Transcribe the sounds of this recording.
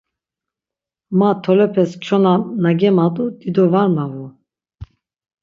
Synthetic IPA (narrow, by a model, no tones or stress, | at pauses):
mat̪ʰɔlɛpʰɛst͡ʃʰɔnanaɡɛmad̪ʼud̪id̪ɔvaɾmavu